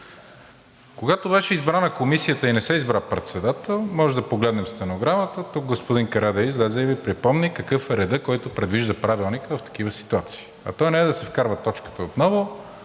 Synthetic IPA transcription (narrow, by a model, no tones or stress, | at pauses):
koɡat̪obɛʃɛizbɾanəkomisijət̪əinɛsɛizbɾapɾɛt̪sɛd̪at̪ɛlˠmɔʒɛd̪ɐpoɡlɛd̪nɛmst̪ɐnoɡɾamət̪ət̪uk̚ɡospod̪iŋkɐɾɛd̪ɛizlɛzɛvipɾipɔmnikɐkɤfɛɾɛd̪ɤkɔjt̪opɾɛd̪viʒd̪əpɾavilˠnikəvɐft̪ɐ̥k̟ivəsi̥t̪uat̪si̥ː | ɐ̰t̪ɔjnɛɛd̪ɐsɛfkaɾvət̪ɔt͡ʃkə̥t̪əot̪nɔvo